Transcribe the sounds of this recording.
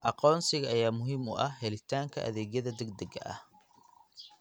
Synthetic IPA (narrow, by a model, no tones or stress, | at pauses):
ʔɑqɔːnsɪɣɐɐjaːmʊɦiːmʊ̰ʔɐhɦɛlɪt̪ʰaːŋkʰɐ̰ʔɐ̰ðɛːɣjɐðɐd̪ɛɡ̚d̪ɐɡɐ̰ʔɐ̰h